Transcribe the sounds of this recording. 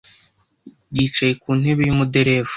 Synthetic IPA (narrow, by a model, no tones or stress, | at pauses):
ɟiːt͡ʃajekuːnhe̞βejumudeɾev